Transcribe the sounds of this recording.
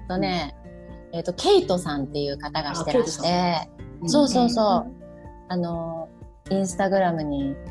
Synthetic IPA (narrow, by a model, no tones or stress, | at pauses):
t̪ːo̞ne̞ | eːt̪ːo̞kʲʰe̞it̪o̞sãnt̪e̞jɯ̟ːkat̪aɡaɕi̥t̪e̞ɾai̥t̪e̞so̞ːso̞ːso̞ː | ano̞ | ĩɰ̃sɨ̥t̪aɡɯ̟ɾamɯ̟ɲ̟i